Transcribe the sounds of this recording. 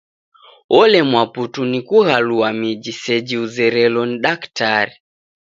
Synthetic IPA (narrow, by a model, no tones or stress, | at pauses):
ɔlɛmwaputunikuɣaluamid͡ʒisɛd͡ʒiuzɛɾɛlɔniɗaktaɾi